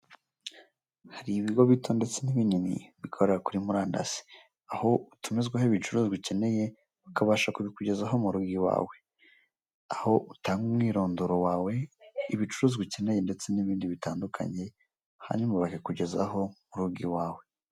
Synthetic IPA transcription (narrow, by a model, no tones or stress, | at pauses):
haɾiβiɡo̞βitʰo̞nde̞t͡se̞niβininḭβikʰo̞ɾe̞ɾakuɾimuɾaːnda̰z̥i̥ | aho̞utumizɡwahoiβit͡ʃuɾuːziβice̞ne̞je̞ | βukaβaʃakuβikuɟe̞zaɦo̞muɾuɡiwa̰ːwe̞ | aho̞ʔutaːŋɡumwiːɾo̞ːndoɾowaːwe̞iβit͡ʃuɾuːziβice̞ne̞je̞nde̞t͡se̞niβiːndiβitaːndukʰa̰ɲe̞ | ha̰ɲumaβakekuɟe̞za̰ɦo̞muɾuɡiwaːwe̞